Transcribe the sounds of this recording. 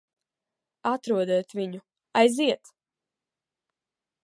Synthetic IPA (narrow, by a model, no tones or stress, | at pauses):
at̪ɾuɔd̪ɛːt̪viɲu | ajziɛt̪